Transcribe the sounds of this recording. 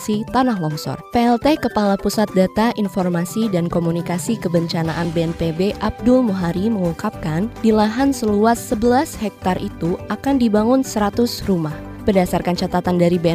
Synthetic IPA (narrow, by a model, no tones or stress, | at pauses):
sit̪anaɦlɔŋsɔ̰rpeɛlt̪ekəpalapusat̪̚dat̪aʔinfɔrmasidankomunikasikəbəɲt͡ʃanaʔanbeɛnpebeʔab̚dʊlmuɦaɾiməŋuŋkap̚kandilaɦansəluasːəbəlashɛk̚t̪arʔit̪uakandibaŋʊnsəɾat̪ʊsrumah | b̥ərdasarkant͡ʃat̪at̪andaɾibe